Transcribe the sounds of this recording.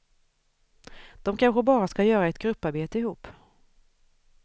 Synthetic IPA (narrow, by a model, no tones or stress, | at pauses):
d̪̥ɔmkʰanɧəbɑːɾaskajœːɾaɛt̪ɡɾɵpːaɾbeːt̪əɪhuːpː